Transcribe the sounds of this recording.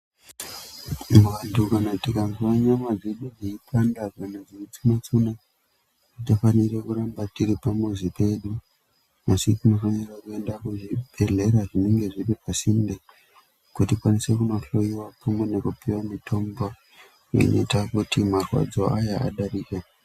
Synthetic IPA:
muwandukanakutikanzwaɲamad͡zeɗud͡zeipʰandakanad͡ziit͡sunat͡suna | itafanirekurambatiɾipamuzipe̞ɗu | asitino̞fanirakue̞ndakuʐiɓʱe̞ɮe̞ɾaʐine̞ŋɡe̞ʐipipasinde | kutikwanise̞kuno̞ɬo̞jiwapamwenekupiwamitʰo̞mbo | jḛno̰itakutimarwa̰d͡zo̞ajaa̰ɗaɾiːka

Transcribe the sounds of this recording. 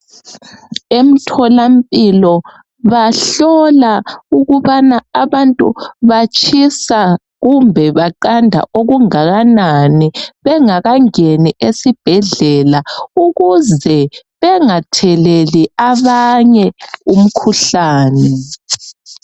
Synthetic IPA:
em̩tʰɔlampʼilɔ | βaɬɔlauɣuβanaaβantʼṵβat͡ʃʼʰisa | ɣumbʱɛβaǃandʱa̰ʔoɣuŋaɣananiβɛŋaɣaŋeniʔesib̥ʱɛɮɛlauɣuzɛβɛŋatʰɛleliaβaɲɛum̩kʰuɬaːnɛ

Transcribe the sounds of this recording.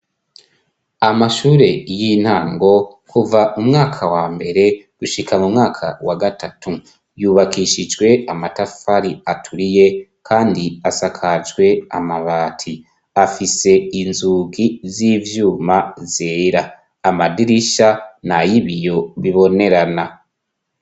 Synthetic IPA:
amaʃuːɾe̞jin̥haːŋɡo̞ | kʰuvaʔumŋaːkʰawaːmbe̞ɾe̞ɡ̥uʃikʰamumŋaːkʰa̰waɡatʰatʰu | juːβakiʃid͡ʒɡwe̞amatafaɾiatʰuɾije̞kʰaːndiasakʰad͡ʒwe̞amaβaːtʰi | afise̞inzuːɡiziːvjuːmazeɾaː | madiɾiʃanajiβijo̞βiβo̞ne̞ɾana

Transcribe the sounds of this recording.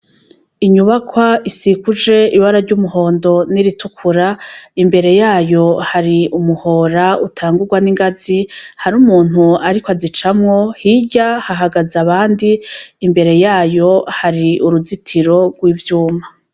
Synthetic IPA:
iɲuβakʰwaisikud͡ʒe̞iβaɾaɾɟumuɦo̞ːndo̞niɾitukʰuɾaimbe̞ɾe̞jaːjo̞haɾiumuho̞ːɾautʰaːŋɡuɾɡwaniŋɡazihaɾumuːn̥huaɾikoazit͡ʃamŋo̞hiɟahaɦaɡazaβaːndiːmbe̞ɾe̞jaːjo̞haɾiuɾuzitʰiɾo̞ɡwiːvjuːma

